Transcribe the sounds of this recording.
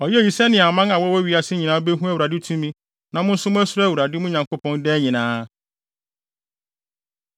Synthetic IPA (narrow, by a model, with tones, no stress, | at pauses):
ɔ˨ji˦e˨ji˨sɛ˦nɪ̃˨a˨mã˦nã˨wɔ˦wɔ˦ɥi˦a˦sɪ˦ɲĩ˨nãː˦be˦ɦũ˦æ˦wu˨ɾa˨dɪ˦tʰũ˦mĩ˦ | nã˨mʊ̃˦n̩˦sʊ˦mʊ̃˦æ˦sʊ˦ɾwu˨ɾa˨dɪ˦mʊ̃˦ɲã˨ŋko˦pɔ̃˦ndɛ˦ɲĩ˨nãː˦